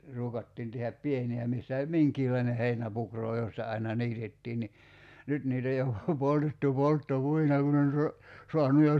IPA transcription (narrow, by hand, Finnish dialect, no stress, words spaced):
ruːkɑtːiːn tehæp pieniæ misːæ olʲ miŋkiːlɑineh heinæpukroː jostɑ ɑinɑ niːtetːiːn ni nyt niːt oj jo poltetːu poltːopuinɑ kun on so soɑnu jo